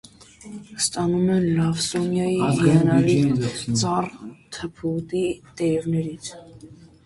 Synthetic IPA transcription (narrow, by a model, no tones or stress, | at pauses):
st̪ʼɑnumɛnlɑvsɔmjɑiiɛnɑɾit͡sʼɑrt̪ʰəpʰut̪ʼit̪ʼɛvnɛɾit͡sʰ